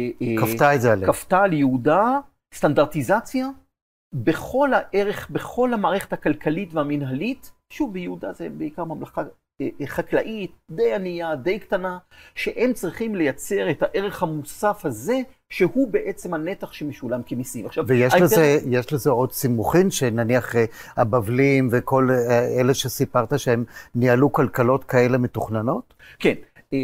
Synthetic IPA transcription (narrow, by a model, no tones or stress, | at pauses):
kaftaetzealekaftaljeuda | st̪andaʁt̪izat͡sja | beχo̞laʔeʁeχbeχo̞lhamaːʁeχethakalkalitveaminɦalit | ʃuvbejehud̪azebeikaʁmamlaχa | eχaklaʔit̚d̪ejanijad̪e̞jktanaʃeʔemt͡sʁiχimle̞jat͡se̞ʁethaʔe̞ʁe̞χhamusafhaze̞ | ʃehubeʔet͡semhane̞taχʃemiʃulamkemisimaχʃavvejeʃlezejeʃlezeo̞d̪simuχimʃenaniaχehabavlimveko̞leleʃesipaʁt̪aʃehemnialukalkalo̞tkae̞le̞metuχnano̞t | ken